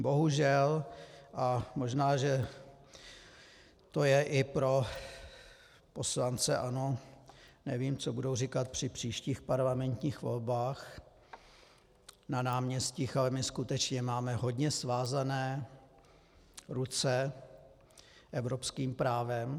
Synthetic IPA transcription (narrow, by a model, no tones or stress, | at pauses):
bo̞ɦuʒɛlʔamo̞ʒnaːʒɛ | t̪o̞jɛʔɪpɾo̞ | po̞slant͡sɛʔano | nɛviːmt͡so̞budowrikat̪̚pr̝̥ɪpr̝̥iːʃciːxpaɾlamɛnt̪ɲiːxvo̞̰lbaːx | nanaːmɲɛsciːxalɛmɪskut̪ɛt͡ʃɲɛmaːmɛɦo̞dɲɛsvaːzanɛː | ɾut͡sɛ | ʔɛvɾo̞pskiːmpɾaːvɛm